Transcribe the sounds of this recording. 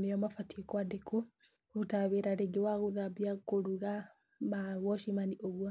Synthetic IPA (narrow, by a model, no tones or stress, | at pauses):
nejɔmafatikɔadekʰo | otaβeɾaɾeɡewaɣoðabjakoɾuɣa | mawɔʃimaniʔoɣwɔ